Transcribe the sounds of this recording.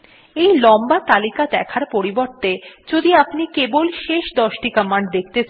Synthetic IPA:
ejlɔmbat̪alikad̪ɛkʰaɾpoɾiboɾt̪ed͡ʑod̪iapnikebolʃeʃd̪ɔʃʈikəmaɳɖd̪ek̚ʰt̪et͡ɕʰ

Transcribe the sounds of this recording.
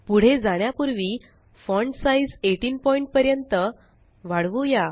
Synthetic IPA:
puɽ̤ed͡zaɽ̃japuɾʋiː | fɔɳɖsaid͡zeʈiːnpɔiɳʈ̚pəɾjənt̪ə | ʋaɽʋuja

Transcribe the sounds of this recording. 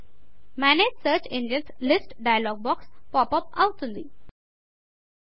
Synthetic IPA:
mæneːd͡ʒsəːɾt͡ʃẽnɖiə̃nslɪsʈɖaɪəlɔːɡ̚bɔːkspɔːpʌpaʊʈɪ̃nd̪ḭ

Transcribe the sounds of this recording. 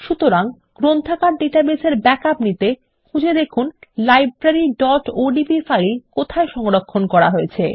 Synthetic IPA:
ʃut̪oɾaŋ | ɡ̥ɾont̪ʰakaɾɖiʈabeseɾbɛkapnit̪e | kʰud͡ʑʱed̪ekʰunlajbbɾaɾiɖɔʈoɖibifajikot̪ʰaeʃɔŋɾokʰːonkɔɾaɦojet͡ɕʰḛ

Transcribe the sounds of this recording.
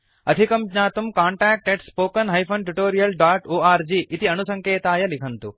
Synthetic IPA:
ɐd̪ʱikɐmɡɲaːt̪umkaːɳʈaːk̚ʈeɖspoːkɐnɦɐjpʰɐnʈuʈoːɾijɐlɖaːʈoːaːɾd͡ʒiːʔit̪iɐnusɐŋkeːt̪aːjɐlikʰɐnt̪u

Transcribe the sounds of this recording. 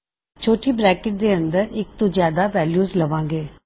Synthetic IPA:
t͡ʃʰoːʈʰiːbɾɛːkɪʈ̚d̪eːənd̪əɾɪk̚t̪õzjaːd̪aʋɛːljuːzləʋãːŋɡeː

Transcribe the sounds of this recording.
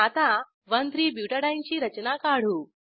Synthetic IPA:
at̪a | ʋənd̪ɾiːbjuːʈəɽajnt͡ɕiːɾɐt͡ɕnakaɽ̤uː

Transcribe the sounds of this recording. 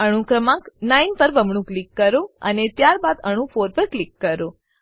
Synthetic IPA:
əɽ̃ũkɾəmãknainpəɾbəmɳũklikːəɾoə̰net̪jaɾbad̪əɽ̃ũfʰoɾpəɾklikːəɾo

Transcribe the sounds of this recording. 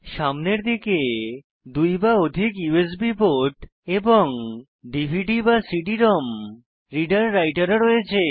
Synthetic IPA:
ʃamneɾd̪ike | d̪ujbaod̪ʱikjues̬biboʈeboŋ | ɖibʱiʈibasiʈiɾɔm | ɾiɖaɾːajʈaɾɾojet͡ɕʰe

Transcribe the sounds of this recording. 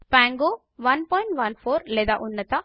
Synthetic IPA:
paːŋɡo | ʋɐnpɔːjɪ̃ɳʈʋɐnfoːɾlɛd̪aʔʊnːɐt̪a

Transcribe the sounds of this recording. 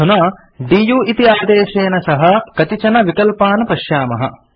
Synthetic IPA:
unaː | ɖiːjuːʔit̪iaːd̪eːʃeːnɐsɐɦɐ̆kɐt̪it͡ʃɐnɐʋikɐlpaːnɐpɐʃjaːmɐɦɐ̰

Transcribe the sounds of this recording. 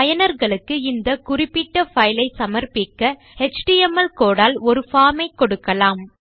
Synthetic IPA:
ɐjɐnɐɾɣɐɭɯkːɯɪnd̪ɐkʊrɪpːɪʈːɐfɐjlɐɪsɐmɐɾpɪkːɐ | hɛt͡ʃʈiɛmɐlkoːɽaːlɔɾɯfaːmɐɪkːɔɽɯkːɐlaːm

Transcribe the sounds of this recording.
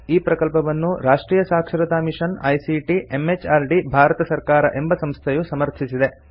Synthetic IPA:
iːpɾɐkɐlpɐʋɐnːuɾaːʂʈɾiːjɐsaːkʂɐɾɐd̪aːmiʂɐnɐjsiʈiʔe̞met͡ʃaːɾɖibʱaːɾɐt̪ɐsɐɾkaːɾɐ̰ʔe̞mbɐsɐmst̪ʰejusɐmɐɾt̪ʰisid̪e̞

